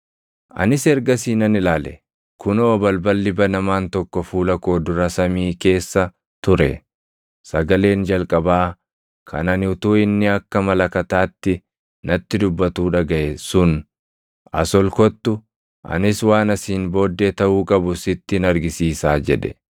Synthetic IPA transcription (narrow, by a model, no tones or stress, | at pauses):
ʔɐ̰nɪsɛɾɡɐsiːnɐnɪlaːlɛ̰ | kʰʊnoːbɐlbɐlːɪbɐnɐmaːnt̪ɔkːɔfuːlɐko̞ːd̪ʊɾɐsɐmiːke̞ːsːɐ | t̪ʊɾɛ̰ | sɐɡɐle̞ːnd͡ʒɐlkʼɐbaː | kʰɐ̰nɐnɪʊt̪uːɪnːɪɐkːɐmɐlɐkɐt̪aːt̪ːɪ | nɐt̪ːɪd̪ʊbːɐt̪uːᶑɐɡɐʔɛsʊn | ɐ̰sɔlkɔt̪ːʊ | ʔɐ̰nɪswaːnɐsiːnbo̞ːd̪ːet̪ɐʔuːkʼɐbʊsɪt̪ːɪnɐɾɡɪsiːsaːd͡ʒɛ̰ᶑɛ̰